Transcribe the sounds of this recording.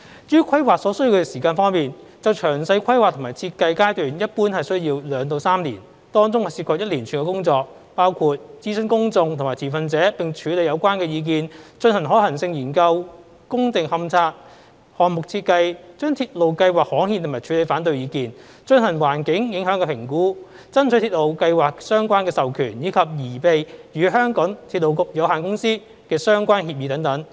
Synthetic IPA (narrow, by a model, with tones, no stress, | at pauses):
jyː˥kʰɐ˥jwaː˨k̚sɔː˨˧˥sɵ˥jiː˧kʰɛ˧siː˨˩kaː˧nfɔː˥ŋmiː˨n | t͡sɐ˨wt͡ʃʰœː˨˩ŋsɐ˧jkʰɐ˥jwaː˨k̚t̪ʰmaː˨˩jt͡sʰiː˧t̚kɐ˧jkaː˥jt̪yː˨˩njɐ˥t̚puː˥nhɐ˨jsɵ˥ɥjiː˧wlœː˨˧ŋt̪o˧wsaː˥mlḭː˨˩n | t̪ɔː˥ŋt͡sʊ˥ŋhɐ˨˩si˧˩kʰɔː˨k̚jɐ˥t̚liː˨˩nt͡ʃʰyː˨˧˥ŋkɛː˧kʊ˥ŋt͡sɔː˧k̚ | paː˥wkʰuː˧t̚t͡siː˥sɵ˥nkʊ˥ŋt͡sʊ˧ŋt̪ʰʊ˨˩ŋmaː˨˩tʰiː˨˩fɐ˧nt͡sɛː˨˥pɪ˨ŋt͡ʃʰyː˨˥le˨˧jɐ˨˧wkʷaː˥nkɛː˧jiː˧k̬iː˧nt͡ʃɵ˧nhɐ˨˩nɦɔ˨˥hɐ˨˩nsɪ˧ŋjiː˨˩nkɐ˧w | kʊ˥ŋt͡sɪ˨ŋhɐ˧mt͡sʰaː˧t̚ | hɔː˨nmʊ˨k̚t͡sʰiː˧t̚kɐ˧jt͡ʃœː˥ŋt̪ʰiː˧t̚lo˨˩wkɐ˧jwaː˨˩k̚hɔː˨˥ŋhiː˧nt̪ʰmaː˨˩jt͡ʃʰyː˨˧le˨˧jfaː˨˥nt̪ɵ˧ɥjiː˨˧kiː˨˧n | t͡ʃɵ˧nhɐ˨˩nwaː˨˩nkɪ˨˥ŋjɪ˨˥ŋɦœː˨˥ŋkɛː˧pʰɪ˨˩ŋkuː˨˥ | t͡sɐ˥nt͡sʰɵ˨˥t̪ʰiː˧t̚lo˨˧wkɐ˧jwaː˨k̚sœː˥ŋkʷaː˥nkɛː˧sɐ˨wkʰyː˨˩njiː˨˧kʰɐ˨p̚jiː˨˩pe˨˧jjyː˨˥ɦœː˥ŋkɔː˨˥ŋt̪ʰiː˧t̚lo˨wkʊ˨k̚jɐ˨˧wɦaː˨nkʊ˥ŋsiː˥ | kɛː˧sœː˥ŋkʷaː˥nhiː˧p̚i˨˧t̪ɐ˨˧˥ŋt̪ɐ˨˥ŋ